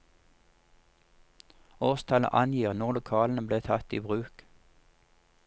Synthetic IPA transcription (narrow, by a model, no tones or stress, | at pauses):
oːʁst̪ʰɑlə̰ʔɑnjiːʁnɔʁlʊkʰɑːln̩əbleːt̪ʰɑt̪iːbʁʉːk